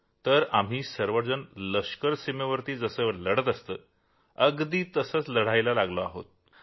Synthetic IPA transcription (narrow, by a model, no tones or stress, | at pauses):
t̪əɾam̤iːsəɾʋəʈd͡zənləʂkəɾsimeʋəɾt̪iːd͡zəsəːləɽ̤ət̪əst̪əː | əɡd̪iːt̪əsəːt͡sləɽ̤ajlalaɡloa̰ɦo̰t̪̚